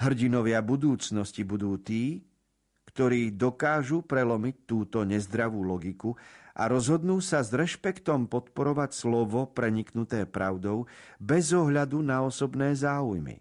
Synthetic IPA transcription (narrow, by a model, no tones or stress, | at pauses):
ɦr̩ɟinɔʋɪabud̪uːt͡snɔscibud̪uːt̪iː | kt̪ɔɾiːd̪ɔkaːʒupɾɛlɔmic̚t̪ːuːt̪ɔɲɛzd̪ɾaʋuːlɔɡikuʔa̰ɾɔzɦɔd̪nuːsazɾɛʃpɛkt̪ɔmpɔt̪pɔɾɔʋacslɔʋɔpɾɛɲiknut̪ɛːpɾʔaʊd̪ɔʊbɛzɔɦʎad̪unaɔsɔbnɛːzaːujmḭ